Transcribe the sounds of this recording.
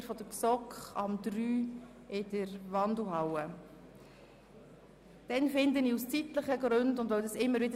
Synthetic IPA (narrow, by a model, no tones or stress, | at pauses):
ɾfɔd̪əksɔkχɑmd̪ɾyː | ɪdəɾvɑndl̩ɦawə | d̥ɛnfɪndəniːust͡sit̪ləχəɡɾɵndʊndʋœwdɑsɪmːəɾvɪdə